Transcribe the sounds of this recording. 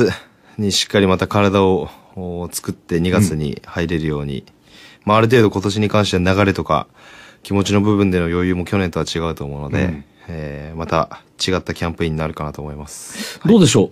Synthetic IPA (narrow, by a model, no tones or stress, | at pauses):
ɨ | ɲ̟iɕi̥kːaɾʲimat̪akaɾad̪ao̞ː | t͡sɨ̥kɯ̟t̪ːe̞ɲ̟iɡat͡st͡sɨɲ̟ḭhaiɾe̞ɾɯ̟jo̞ːɲ̟ḭ | maːɾɯ̟t̪̬e̞ːd̪o̞ko̞t̪o̞ɕ̬iɲ̟ikãɰ̃ɕit̪eanaɣaɾe̞t̪o̞ka̰ | kʲimo̞t͡ɕino̞bɯ̟bɯ̟̃nd̪e̞no̞jo̞ːjɯ̟ːmo̞kʲo̞nẽ̞nt̪o̞βat͡ɕiɡaɯ̟t̪o̞ːmoɯ̟no̞d̪e̞̰ | mat̪at͡ɕiɡat̪ːakʲãmpɯ̟ĩɲ̟ːinaɾɯ̟kanat̪o̞ːmo̞imasɨ̥d̪oːd̪eɕo̞ː